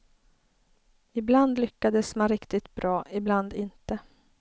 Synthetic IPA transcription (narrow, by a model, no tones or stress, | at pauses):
ɪbland̪lʏkːad̪əsmanɾɪkt̪ɪt̪̚bɾʔɑːʔɪbland̪ɪnt̪ə